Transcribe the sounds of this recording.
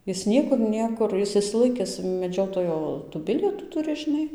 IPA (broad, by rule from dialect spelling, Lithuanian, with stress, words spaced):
ˈjɪs ˈnʲiɛkʊr ˈnʲiɛkʊr ˈjɪs ɪʃʲsʲɪˈlˠɐɪkʲɪs mʲɛˈd͡ʒʲoːtoːjoː tuː ˈbʲɪlʲiɛtuː ˈtʊrʲɪ ʒʲɪˈnɐɪ